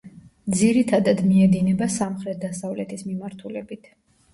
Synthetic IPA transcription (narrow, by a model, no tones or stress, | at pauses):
d̪ziɾit̪ʰad̪ad̪miɛd̪inɛbasamχɾɛt̪̚d̪asavlɛt̪ʰismimaɾt̪ʰulɛbit̪ʰ